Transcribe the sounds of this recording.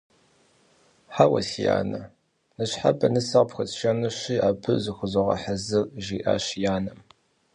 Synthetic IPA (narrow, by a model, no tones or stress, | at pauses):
ħawɐ̰sija̰ːnɐ | nɨɕħabɐnɨsɐʁpxɐt͡sʃɐnɨɕiːaːbʰɨzɨxʷʊzɐʁɐ̰ħazɨrʒiːʔa̰ːɕjaːnɐm